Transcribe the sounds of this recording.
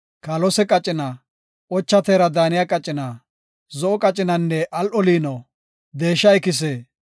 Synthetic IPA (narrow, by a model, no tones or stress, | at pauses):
kɐlɔsɛkʼɐt͡ʃʼːɪna | ʔɔt͡ʃːɐt̪eːɾɐd̪aːnɪjɐkʼɐt͡ʃʼːɪnɐ | zɔʔɔkʼɐt͡ʃʼːɪnɐnːɛʔɐlʔɔliːno | d̪eːʃːɐɪkɪs̬eː